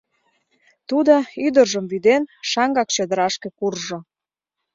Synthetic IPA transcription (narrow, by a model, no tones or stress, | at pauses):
t̪ud̪oyd̪ərʒəmvyd̪enʃɑŋɡɑk̚t͡ɕəd̪əɾɑʃkekurʒo